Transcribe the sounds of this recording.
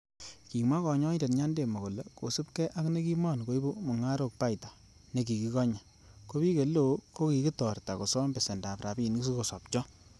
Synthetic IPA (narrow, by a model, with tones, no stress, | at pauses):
ki˨mwa˦kɔ˨ɲɔ˦i˦de˨tɲa˦nde˨mo˨ko˨le˨ko̰˨su˦pkɛ˦ʔa˦kne˦ki˦ma˦˨nko˨i˦bu˦mɔ˨ŋa˦ɾo˨k̚pa˦jtḁ˨ | ne˨ki˨ki˨kɔ˦ɲa˨ | ko˦bi˦ke˨lo˨˦ko˦ki˨ki˦tɔ˨rta˨ko˨sɔ˦mbɛ˨se˨nda˨pɾa˨bi˦nku˦s̬u˦ko˨sɔ˨p̚t͡ʃɔ˦